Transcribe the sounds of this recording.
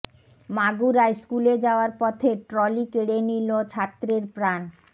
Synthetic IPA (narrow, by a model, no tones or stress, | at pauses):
maɡuɾaeskuled͡ʑaoaɾpɔt̪ʰeʈɾɔlikeɽenilot͡ɕʰat̪ːɾeɾpɾan